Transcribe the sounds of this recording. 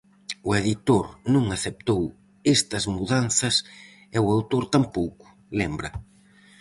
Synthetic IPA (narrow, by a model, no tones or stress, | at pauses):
ʊeðit̪oɾnũŋaθep̚t̪ow | est̪ɐzmuðan̟θɐs | ɛwawt̪oɾt̪ampowkʊ̥ | lɛmbɾɐ